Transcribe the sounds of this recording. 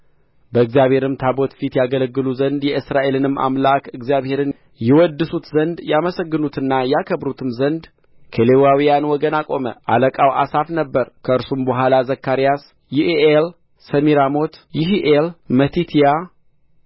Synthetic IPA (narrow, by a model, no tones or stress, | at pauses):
bəɨɡzijaβhe̞ɾɨmt̪ʰabo̞t̪fit̪jaɡələɡːɨluzənd̪jɛʔɨsɾaʔe̞lɨnɨma̰mlakɨɡzijaβhe̞ɾɨn | jɛwɔd̪ːɨsut̪zənd̪jaməsəɡːɨnut̪ɨnːajɛakʰəbɾut̪ʰɨmzənd̪ | kʰəlewawijanwɔɡənakʼo̞mə̰ʔaləkʼawʔa̰safnəbːəɾkʰəɨɾsumbəɦʷalazəkːaɾijas | jiʔeʔel | səmiɾamot̪jiɦiʔelmət̪ʰit̪ʰija